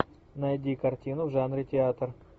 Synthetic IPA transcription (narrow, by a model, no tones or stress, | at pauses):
nɐjdʲikɐrtʲinʊvʐanɾʲɪtʲɪat̪r